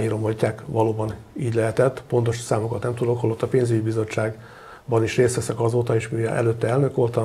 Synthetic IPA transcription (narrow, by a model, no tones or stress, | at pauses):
iɾo̞mocːaːkʋɒloːbɒn | iːɟlɛɦɛt̪ɛt̪ːpo̞nt̪o̞ʃsaːmokɒt̪nɛmt̪ud̪o̞khɒlo̞t̪ːɒpeːnzyɟibizo̞t͡ʃːaːɡ | bɒniʃreːst̪ʋɛsɛkɒzoːt̪ɒeːʃmijɒ̰ʔɛ̰løt̪ːɛɛlnø̞kolt̪ɒ